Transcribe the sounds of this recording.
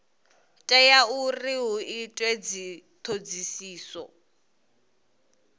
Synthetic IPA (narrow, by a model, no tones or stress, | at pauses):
tʼɛjauriɦuitʼwed͡zit̪ʰod͡zisiːsɔ̰